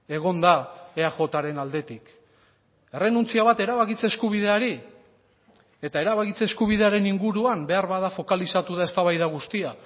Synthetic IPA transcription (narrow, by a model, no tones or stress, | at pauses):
e̞ɣ̞o̞nd̪aeaxo̞t̪aɾe̞nald̪e̞t̪ik | e̞re̞nunt͡siaβ̞at̪e̞ɾaβakit͡seːskuβ̞ið̞e̞aɾi | e̞t̪ae̞ɾaβakit͡se̞ːskuβ̞ið̞e̞aɾe̞niŋɡuɾuambe̞aɾβaðafo̞kalisat̪uðae̞st̪aβajðaɣ̞ust̪ia